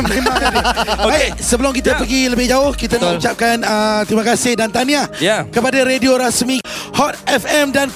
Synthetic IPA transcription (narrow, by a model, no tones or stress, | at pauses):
mẽmãŋkanbasəbəlʊmk̬it̪əpəɡiləbɪhd͡ʒaʊhkit̪anaut͡ʃap̚kanət̪imãkasɪhdant̪aniajkəpadaɾedioɾasmĩhɔt̪̚ɛfɛmdan